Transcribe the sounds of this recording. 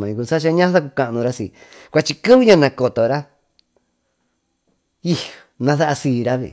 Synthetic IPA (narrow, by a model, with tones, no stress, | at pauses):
mã˨ĩ˧ku˧sa˦ʃ̬a˦˧˦ɲã˦ða˦ku˧ka˧ʔnũ˧ɾa˦si˨kʷa˧t͡ʃi˧kɨ˦βɨ˧ɲã˦˧nã˧ko˨t̪o˨ɾa˦ | i˦ | nã˧θa˦ʔa˧siː˧˨˧ɾa˦βḭ˨